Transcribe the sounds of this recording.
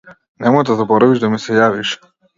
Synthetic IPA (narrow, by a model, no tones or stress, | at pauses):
nɛmɔjd̪azabɔɾaviʒd̪amɛsɛjaviʃ